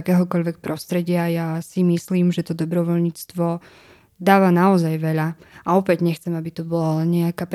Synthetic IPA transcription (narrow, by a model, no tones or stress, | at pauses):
kɛːɦɔkɔʎʋɛk̚pɾʔɔst̪ɾɛɟɪajasimisliːmʒɛt̪ɔd̪ɔbɾɔʋɔlɲiːt͡st̪ʋɔ | d̪aːʋanaɔzajʋɛʎaʔaɔpɛɟɲɛxt͡sɛmabit̪ɔbɔlɲɛakaːp